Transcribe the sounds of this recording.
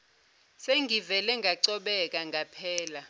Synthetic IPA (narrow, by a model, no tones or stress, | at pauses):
seŋɡʱivɛlɛŋɡʱaǀɔɓɛk̬ʼaŋɡʱapʰɛːla